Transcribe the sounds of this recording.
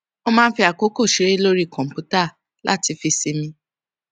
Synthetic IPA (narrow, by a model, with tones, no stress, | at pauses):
o˧mãː˦˧n̩˦fi˧a˨ko˨˦ko˦˨ʃi˨˦ɾe˦lo˦ɾi˦˨kɔ̃˨m̩˨pu˨˦ta˦˨ | lʔa̰˦ti˧fi˧si˧mĩ˧